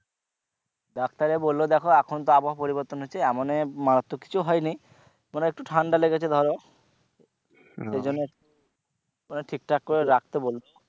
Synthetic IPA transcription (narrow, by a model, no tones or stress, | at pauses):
d̪akʰt̪aɾebolːod̪ɛkʰoɛkʰont̪̬oabaɦopoɾibɔɾt̪onɦojt͡ɕʰeɛmonemaɾat̪ːoki̥t͡ɕʰuɦɔjni | moneek̚ʈuʈʰaɳɖaleɡet͡ɕʰed̪ʱɔɾo | ʃed͡ʑonːe | maneʈʰik̚ʈakːoɾeɾak̚ʰt̪ebolo